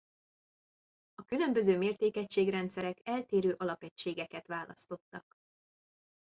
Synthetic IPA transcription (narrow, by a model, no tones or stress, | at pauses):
ɒkylø̞mbø̞zøːmeːrt̪eːkɛcʃeːɡrɛnt̪sɛɾɛkɛlt̪eːɾøːʔɒlɒpɛct͡ʃːeːɡɛkɛt̪ʋaːlɒ̰st̪o̞t̪ːɒk